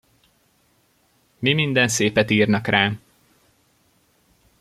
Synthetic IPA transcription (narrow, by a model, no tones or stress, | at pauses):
mimind̪ɛnseːpɛt̪iːrnɒkrʔaː